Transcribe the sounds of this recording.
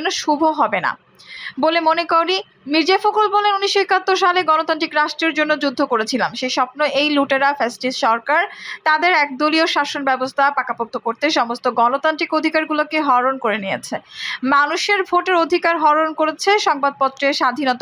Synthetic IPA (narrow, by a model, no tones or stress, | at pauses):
nːoʃubʱoɦɔbena̰ | bolemonekowɾi | miɾd͡ʑefokolbɔlenuniʃːoekat̪ːoɾʃaleɡɔnot̪ant̪ɾikɾaʃʈɾeɾd͡ʑonːod͡ʑud̪ʱːokoɾet͡ɕʰilamʃejʃɔpnoʔejluʈaɾafesʈisʃɔɾkaɾt̪ad̪eɾɛk̚d̪olioʃaʃonbɛbost̪ʰapakapok̚t̪ʰːokoɾt̪eʃɔmost̪oɡɔnot̪ant̪ɾikod̪ʱikaɾɡulokeɦɔɾonkoɾeniet͡ɕʰemanuʃeɾbʱoʈeɾod̪ʱikaɾɦɔɾonkoɾet͡ɕʰeʃɔŋbad̪̚pɔt̪ːɾeʃad̪ʱinɔt̪